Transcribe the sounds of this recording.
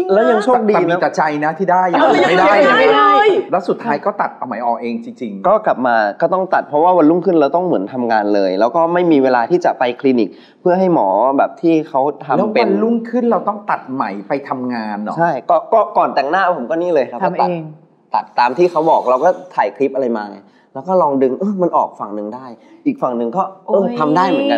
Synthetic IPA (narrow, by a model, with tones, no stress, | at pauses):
lɛː˦˥wja˧ŋt͡ɕʰoː˥˩˧k̚diː˧nmi˧˦˥t̪ɛ˨˩t͡ɕa˧jna˦˥t̪ʰiː˥˩daː˥˩ja˥˩da˥˩jaː˥˩˧jlɛː˦˥wsu˨˩t̪ʰːaː˦˥jkɔː˥˩t̪a˨˩t̪̚sa˧ma˩˦jʔɔː˨˩ʔeː˧ŋt͡ɕi˧ŋt͡ɕi˧ŋkɔː˥˩kla˨˩p̚maː˧kɔː˥˩t̪ɔ˥˩ŋt̪a˨˩t̪̚pʰɾɔ˦˥waː˥˩wa˧nlu˥˩ŋkʰɯ˥˩nɾa˧wt̪ɔ˥˩ŋmɯ˩˦ənt̪ʰa˧mŋaː˧nlɤː˧jlɛː˦˥wkɔː˥˩ma˥˩jmiː˧weː˧laː˧t̪ʰiː˥˩t͡ɕa˨˩pa˧jkʰli˧ni˨˩k̚ | pʰɯ˥˩ɦa˥˩jmɔː˩˦bɛː˨˩p̚t̪ʰiː˥˩kʰa˦˥wt̪ʰa˧lpe˧lu˥˩ŋkʰɯ˥˩nɾa˧wt̪ɔ˥˩ŋt̪a˨˩t̪̚ma˩˦jpa˧jt̪ʰa˧mŋaː˧nːɔ̰˦t͡ɕʰa˥˩jkɔː˥˩kɔː˥˩kɔː˨˩nt̪ɛ˨˩ŋnaː˥˩pʰo˩˦mkɔː˥˩niː˥˩lɤː˧ja˧˦ɔ˥˩t̪a˨˩t̪ːŋ | t̪ːa˨˩t̪ːaː˧mt̪ʰiː˥˩kʰa˦˥wbɔː˨˩k̚ɾa˧wkɔː˥˩t̪ʰaː˨˩jkʰli˦˥p̚ʔa˧a˧jmaː˧ŋa˧j | lɛː˦˥wkɔː˥˩lɔː˧ŋdɯ˧ŋʔɤː˧˩ma˧nʔɔ̰ː˨˩k̚fa˨˩ŋnɯ˨˩ŋdaː˥˩jʔiː˨˩k̚fa˨˩ŋnɯ˨˩ŋkɔː˥˩ʔɤː˧t̪ʰa˧mdaː˥˩jmɯ˨˩˦nka˧n